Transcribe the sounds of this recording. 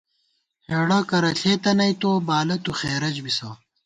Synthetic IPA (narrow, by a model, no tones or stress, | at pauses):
heːɽɐkɐɾɐɬʰeːt̪ɐnɐjt̪oːbaːlɐt̪uxeːɾɐd͡ʑbisɐː